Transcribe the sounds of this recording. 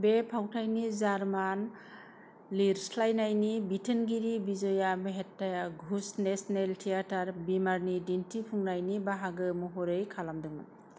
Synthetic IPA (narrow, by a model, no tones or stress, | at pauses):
bepʰawtʰajnizaɾman | liɾslajnajnibitʰenɡiɾibizɔjameɦetːajaɡʱusnesneltʰijataɾbimaɾnidintʰipʰuŋnajnibaɦaɡɯmɔɦɔɾɯjkʰalamdɯŋman